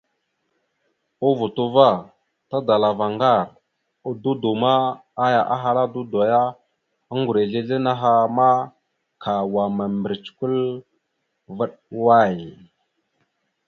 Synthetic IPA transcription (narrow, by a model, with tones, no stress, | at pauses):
o˦vu˨tu˦va˦˨ | ta˦da˨la˨va˨ŋɡa˦˨ɾ | o˨du˦du˨ma˦a˦ja˨ʔa˦ɦa˦ɾa˦du˦do˨ja˦ | a˦ŋɡu˨ɾe˨ɮe˦ɮe˦na˦ɦa˦ma˦ | kʰa˨wa˨ma˨mbə˨ɾi˨t͡ʃku˦l | və˦ɗwa˦˨j